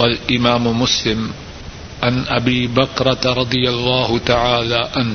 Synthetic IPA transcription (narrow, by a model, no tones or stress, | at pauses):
walʔɪmaːmʊmʊslɪm | ʕanʔabiːbakɾˤɑt̪ɾˤɑd̪ˤɨjalˤːɑːhʊt̪aʕaːlaːʕan